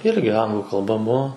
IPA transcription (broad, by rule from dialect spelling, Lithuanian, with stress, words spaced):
ˈɪrʲɡʲɪ ˈɐŋɡlˠuː kɐlˠˈbɐ ˈbuɔ